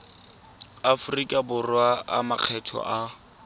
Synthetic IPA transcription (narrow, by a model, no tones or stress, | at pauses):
afʊrikʼabʊrwaa̰maq͡χʰɛtʰɔ̰ʔa